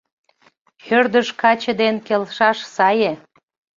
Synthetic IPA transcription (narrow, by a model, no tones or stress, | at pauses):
hørd̪əʃkɑt͡ɕə̆d̪enkelʃɑʃsɑje